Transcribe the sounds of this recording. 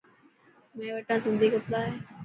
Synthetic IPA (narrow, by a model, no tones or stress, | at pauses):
mẽːʋəʈãːsɪnd̪ʱiːkəplaːɦeː